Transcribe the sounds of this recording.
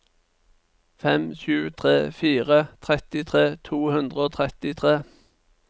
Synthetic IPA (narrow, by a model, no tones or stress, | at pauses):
fɛmʃʉːt̪ʰʁeːfiːʁət̪ʰʁɛt̪ɪt̪ʰʁeːt̪ʰuːhʉnd̪ʁəoːt̪ʰʁɛt̪ɪt̪ʰʁeː